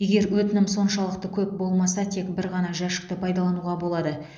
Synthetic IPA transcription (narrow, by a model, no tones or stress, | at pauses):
je̞ɡʲe̞ɾwɵt̪ɪnɪmso̞nʃɑlˠəqt̪əkʲʰɵp̚bo̞lˠmɑsɑt̪ʰe̞kbɪɾʁɑnɑʒæʃɪ̥k̚t̪əpʰɑjd̪ɑlˠɑnuʁɑbo̞lˠɑd̪ə